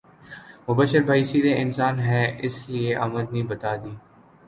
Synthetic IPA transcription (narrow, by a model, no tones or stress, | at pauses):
mʊbəʃəɾbʱaːisid̪eɪnsaːnɦɛɪslieʔɐməd̪nĩːbɐt̪aːd̪iː